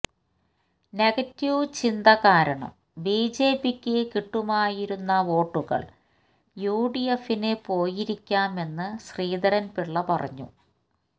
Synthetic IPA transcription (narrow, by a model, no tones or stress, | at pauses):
neɣɐtːjut͡ɕind̪ɐɣaːɾɐɳɐ̰m | biːd͡ʑe̞ːpikʲːɨkiʈːumaːjiɾunːɐʋo̞ːʈːuɣɐ̰ɭ | juːɖijefinepo̞ːjiɾikʲːaːme̞nːɨɕriːd̪ɐɾɐnpiɭːɐpɐrɐ̰ɲːṵ